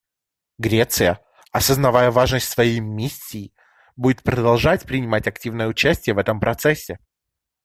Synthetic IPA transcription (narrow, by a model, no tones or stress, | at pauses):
ɡɾʲet̪sɨjə | ɐsəznɐvajəvaʐnəsʲtʲsvɐjejmʲisʲːiː | budʲɪt̪pɾəd̪ɐlˠʐatʲpɾʲɪnʲɪmatʲɐktʲivnəjəʊt͡ɕæsʲtʲɪjəvɛt̪əmpɾʔɐt̪sɛsʲːɪ